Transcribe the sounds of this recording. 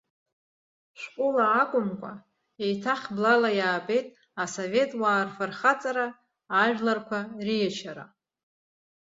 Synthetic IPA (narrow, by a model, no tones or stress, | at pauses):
ʃqʷʼʊlaːkʷʼʊmkʷʼa̰ | ejtʰaχʲblalajaːpʼe̞jtʼ | asove̞tʼwaːrfɨrχat͡sʼaɾaː | ʒᶣlarkʷʰarijat͡ʃʰaɾa̰